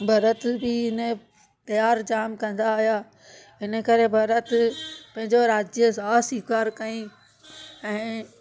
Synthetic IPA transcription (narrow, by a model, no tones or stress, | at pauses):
bʱɐɾət̪bɪɪnə̆ | t̪ɐjaːɾd͡ʑaːmkɐ̃nd̪aːɦijaː | ɪnə̆kɐɾebʱɐɾət̪pɐ̃ɦɪ̃ɲd͡ʑoɾaːd͡ʑjəsãsiːkaːɾkɐĩ | ɛ̃ː